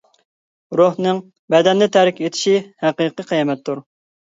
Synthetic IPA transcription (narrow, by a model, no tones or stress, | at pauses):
ɾohnɨŋ | bɛd̪ɛnːɪt̪ʰæɾɪkʲet̪ʰɪ̥ʃihæqəqɨqʰijɛmɛt̪ʰːuɾ